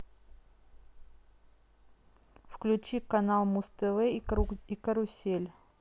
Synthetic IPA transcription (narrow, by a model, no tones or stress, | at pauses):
fklʲʉt͡ɕikɐnalˠmust̪əvɛikɐɾʊsʲelʲ